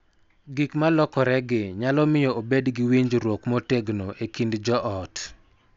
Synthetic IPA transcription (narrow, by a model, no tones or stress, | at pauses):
ɡikmalɔkɔɾɛɡɪɲalɔmɪjɔobedɡɪwiɲd͡ʒɾwokmoteɡnoʔekindd͡ʒɔʔɔt